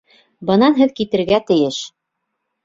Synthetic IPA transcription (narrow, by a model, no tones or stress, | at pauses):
bɤ̆nɑnɦɘðkit̪ɘ̆ɾɡæt̪ɘ̆jɘʃ